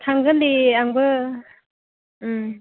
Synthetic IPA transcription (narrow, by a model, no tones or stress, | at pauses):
t̪ʰaŋɡɯnd̪iaŋbɯ